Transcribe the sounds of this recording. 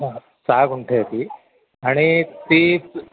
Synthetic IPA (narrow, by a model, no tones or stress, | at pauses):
saɡuɳʈʰet̪i | aɽ̃it̪iː